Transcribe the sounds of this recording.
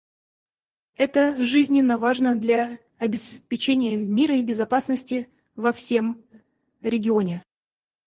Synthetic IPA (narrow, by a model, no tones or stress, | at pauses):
ɛt̪əʐɨzʲnʲɪnːəvaʐnəd̪lʲa | ɐbʲɪspʲɪt͡ɕenʲɪjəmʲiɾəibʲɪzɐpasnəsʲtʲɪ | vɐfsʲe̞m | ɾʲɪɡʲɪo̞nʲɪ